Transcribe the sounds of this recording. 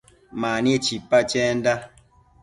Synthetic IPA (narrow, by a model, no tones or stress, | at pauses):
maniet͡ʃipːat͡ʃɛnda